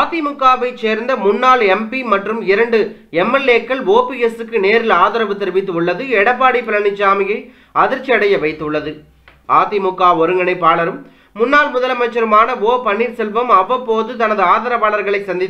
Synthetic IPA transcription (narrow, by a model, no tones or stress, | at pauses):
aːt̪imʊkːaːʋɐɪt͡ʃeːɾnd̪ɐmʊnːaːlɛmpimɐʈrɯmɪɾɐɳɖɯ | ɛmɐleːkːɐɭoːpiɛsɯkːɯneːɾɪlaːðɐɾɐʋɯt̪ːɪɾʋɪt̪ːɯʊɭːɐðɯɛɽɐp̬ːaːɽipːɪlɐɳɪt͡ʃːaːmɪjɐɪ | ɐðɪɾt͡ʃːiɐɽɐjɐʋɐɪt̪ːɯɭːɐðɯ | ʔaːt̪imʊkːaːɔɾɯŋɡɐɳɐɪpːaːɭɐɾɯmː | ʊnːaːlmʊðɐlɐmɐt͡ʃːɐɾɯmaːnɐoːpɐɳːiːɾsɛlʋɐmɐʋːɐpːoːðɯt̪ɐnɐðɯaːðɐɾɐpaːɭɐɾɣɐɭɐɪsɐnd̪ɪ